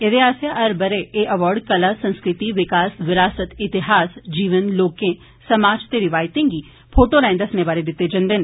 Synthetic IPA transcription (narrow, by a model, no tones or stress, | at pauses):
ɪd̪eaːsjaʔəɾbəɾeeːʔəʋɔːɾɖkəlaːsə̃nskɾɪt̪iːʋɪkaːsʋɪɾaːsət̪ɪt̪ɪɦaːsd͡ʒiːʋənloːkẽː | səmaːd͡ʒt̪eːɾɪʋaːɪt̪ẽːɡiː | pʰoːʈoːɾɛ̃ːnd̪əsneːbaːɾed̪ɪt̪ːeːd͡ʒə̃nd̪en